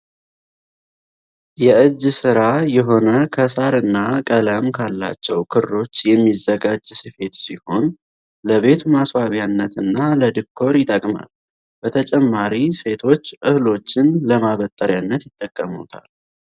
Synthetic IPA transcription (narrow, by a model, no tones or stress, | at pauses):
jɛʔɨd͡ʒːsɨɾajɛɦo̞nəkʰəsaɾɨnːakʼələmkʰalːa̰t͡ʃːɛwkʰɨɾo̞t͡ʃːjɛmːizːəɡad͡ʒsɨfe̞t̪siho̞n | ləβe̞t̪maswaβjanːət̪ɨnːaləd̪ɨkʰːo̞ɾjɪt̪ʼəkʼma̰l | b̥ət̪ʰət͡ʃʼɛmːaɾise̞t̪ʰo̞t͡ʃːʔɨhlo̞t͡ʃːɪnləmaβət̪ʼːəɾjanːət̪jɪt̪ʼːəkʼːəmṵt̪ʰa̰l